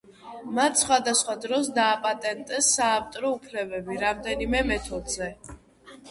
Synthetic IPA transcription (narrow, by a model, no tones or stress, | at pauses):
mat̪ʰsχwad̪asχwad̪ɾɔsd̪aːpʼat̪ʼɛnt̪ʼɛsːaːft̪ʼɔɾɔupʰlɛbɛbiɾamd̪ɛnimɛmɛt̪ʰɔd̪zɛ